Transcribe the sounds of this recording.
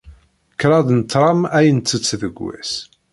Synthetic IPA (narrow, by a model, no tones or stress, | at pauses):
kɾˤɑd̪nt̪ːɾˤɑmæjənt̪ːət͡sːðəɡʷwæ̰s